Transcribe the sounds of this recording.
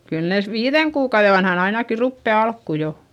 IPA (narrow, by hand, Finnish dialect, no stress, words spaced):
kyl neˑs ʋiːðeŋ kuːkɑuðe ʋɑnhɑn ɑinɑki rupːe ɑlkːu jo